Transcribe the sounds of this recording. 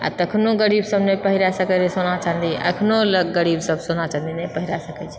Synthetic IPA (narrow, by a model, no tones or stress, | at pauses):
a̰t̪əkʰnoɡəɾibsəbnepəɦiɾasəkɛd͡ʒesonat͡ʃand̪iʔə̰kʰnoləɡːəɾibsəbʱsonat͡ʃand̪inɛpəɦiɾasəkɛt͡ʃʰɛ